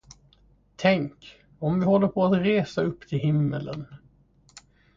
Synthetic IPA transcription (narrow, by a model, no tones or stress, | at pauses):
t̪ʰɛŋk | ɔmvɪhɔlːəɾpʰɔat̪ɾeːsaɵpːt̪ʰɪlɦɪmːələn